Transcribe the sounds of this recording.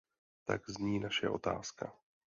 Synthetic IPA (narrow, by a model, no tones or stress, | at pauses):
t̪a̰ɡzɲiːnaʃɛ̰ʔo̞t̪a̰ːska̰